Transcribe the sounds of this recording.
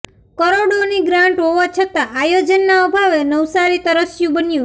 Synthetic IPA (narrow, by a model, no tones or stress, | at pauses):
kəɾoɽoniɡɾaɳʈɦoʋat͡ʃʰət̪aʔajod͡ʒənːaəbʱaʋenəwsaɾit̪əɾəsjũbənjũ